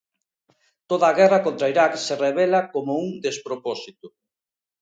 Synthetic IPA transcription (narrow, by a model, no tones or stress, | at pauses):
t̪oðaːɣɛrakont̪ɾaiɾaksereβ̞elakomouŋd̪espɾopɔsit̪ʊ